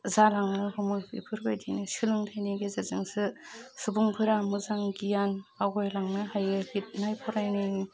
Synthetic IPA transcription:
zalaŋnɯhɯmɔjḭpʰɯɾbajdinɯsɯlɯŋtʰajniɡezazɯŋsɯsubuŋpʰɯɾamuzaŋɡijanaɡɔjlaŋnɯhajɯɡit̚najpʰɔɾajni

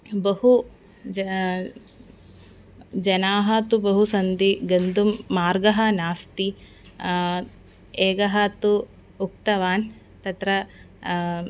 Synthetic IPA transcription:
bɐɦu | d͡ʒɐnaːɦɐt̪ubɐɦusɐnd̪iɡɐnd̪umːaːɾɡɐɦɐnaːst̪i | eːɡɐɦɐt̪u | uk̚t̪ɐʋaːn | t̪ɐt̪ɾɐ

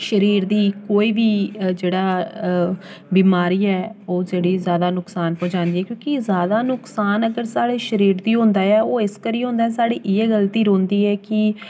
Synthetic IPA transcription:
ʃəɾiːɾd̪iːkoːiːbiːd͡ʒeːɽaː | biːmaːɾiːɛːoːd͡ʒeːɽiːzjaːd̪aːnʊksaːnpõːt͡ʃaːnd̪iːɛːkjõːkɪzjaːd̪aːnʊksaːnəɡəɾsaːɽeːʃəɾiːɾd̪iːɦõːnd̪aːɛːoːɪskəɾiːɦõːnd̪aːɛːsaːɽiːʔɪɛːɡəlt̪iːɾõːnd̪iːɛːkɪ

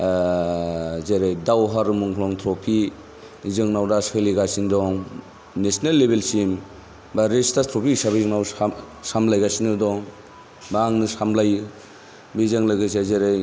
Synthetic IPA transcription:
zeɾejdawɦaɾɯmuŋkʰlɔŋtʰɾɔpʰi | zɯŋnawdasʰeliɡasindɔŋ | nesnalːebelsim | baɾestatʰɾɔpʰisabizɯŋnaw | samlajɡasinɯdɔŋ | baŋnɯsamlajɯ | bizaŋlɯɡɯsezeɾej

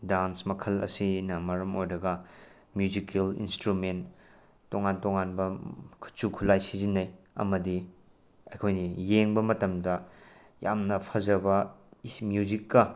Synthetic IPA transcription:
dansmɐkʰɐlɐ̰sinɐmɐɾɐmojɾɐɡɐ | mjuzikʰelḭnstɾumentː | oŋantoŋanbɐkʰu̥t͡ʃukʰulajsizinːɐj | ɐ̰mɐdi | ɐjkʰojnijeŋbɐmɐtɐmdɐ | jamnɐpʰɐzɐbɐismjuzikːɐ

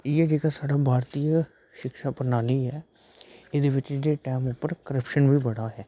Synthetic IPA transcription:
ieːd͡ʒeːkaːsaːɽaːbʱaːɾt̪ija | ʃɪkʃaːpəɾnaːliːɦɛː | ed̪eːʋɪt͡ʃd͡ʒeːʈɛːmʊpːəɾkəɾəpʃənʋiːbəɽaːɦɛː

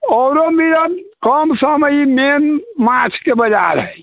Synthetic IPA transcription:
ɔːɾomeɾakəmsəmimenmãt͡ʃʰkebəd͡ʒa̰ɾɦəj

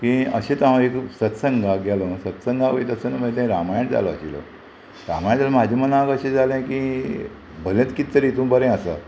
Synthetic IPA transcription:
kĩəɕẽt̪ãeksət̪səŋɡʱaɡɛlonəsət̪səŋɡaʋəit̪əsənəməd͡ʑet̪ãĩɾamajəɳd͡za̰lɔa̰ɕilo̰ | ɾa̰majaɳd͡zaləmad͡ʑʱimənakəɕẽd͡zalɛ̃kĩ | bʱəlẽt̪kit̪ːəɾit̪ũmbəɾɛ̃əsa̰

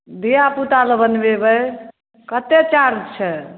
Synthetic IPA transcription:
d̪ijaput̪aləbənbebəj | kət̪et͡ʃaɾt͡ʃʰɛ

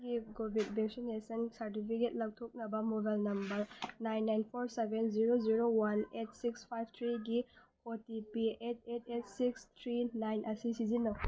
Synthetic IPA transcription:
ɡiɡobʱit̚bʱeksinesɐnsɐɾt̬ipʰiket̚lɐk̚tʰok̚nɐbɐmobalnɐmbɐɾnajnːajnpʰoɾsebenziɾoziɾowanet̚sikspʰajb̚ʱt̪ʰɾiɡipʰoɾtipiet̚ʰetʰet̚sikst̪ʰɾinajnʔɐsisizinːɐ

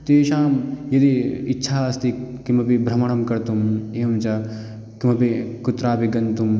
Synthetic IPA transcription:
t̪eːʃaːmjɐd̪iitːʃʰaːɐst̪ikimɐpibɾɐmɐɳ̃ɐmkɐɾt̪umeːɐmt͡ʃɐ | kimɐpikut̪ɾaːpiɡɐnt̪um

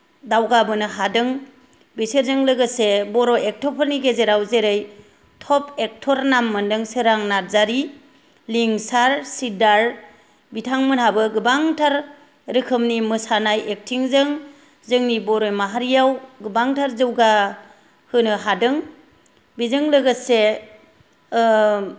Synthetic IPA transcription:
dawɡabɯnɯɦadɯŋ | bisɯɾzɯŋlɯɡɯsebɔɾɔʔek̚tʰɔpʰɯɾniɡezeɾawzeɾɯj | tʰɔpʰek̚tʰɔɾnamːɯndɯŋsɯɾaŋnaɾzaɾi | liŋsaɾsidaɾ | bitʰaŋmɯnhabɯɡɯbaŋtʰaɾ | ɾɯkʰɯmnimɯsanajek̚tʰiŋzɯŋ | zɯŋnibɔɾojmaɦaɾijawɡɯbaŋtʰaɾzɯwɡa | hɯnɯɦadɯŋ | bizɯŋlɯɡɯse

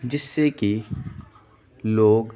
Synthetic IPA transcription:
d͡ʒɪsːeki | loːɡ

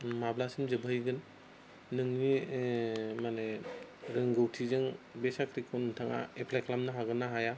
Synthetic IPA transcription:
mablasɯnzɯbʱɯjɡɯnː | ɯŋni | maneɾɯŋɡɯwtʰizɯŋbesakʰɾikʰonɯtʰaŋa̰epʰlakʰlamnɯɦaɡɯnːaɦaja

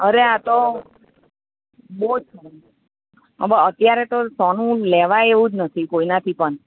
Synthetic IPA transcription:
əɾeat̪o | bousʰə | ə̰bəət̪jaɾet̪osɔnũlɛʋajeʋũd͡ʒnət̪ʰikoinat̪ʰipəɳ

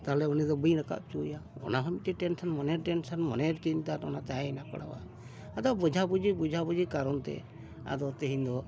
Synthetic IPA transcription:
t̪aɦɛlɛunid̪ɔbujɾaka̰ʔ̚t͡ʃujaɔ̰naɦɔmit̪ɛʈɛnsɔnmɔnɛɾʈɛnsanmɔnɛɾkiɲt̪aɾɔ̰nat̪aɛnakɔ̰ɽa̰wa̰ | ad̪ɔbud͡ʒʱabud͡ʒibud͡ʒʱabud͡ʒikaɾɔnt̪ɛ̰ | a̰d̪ɔt̪eɦĩnd̪ɔ

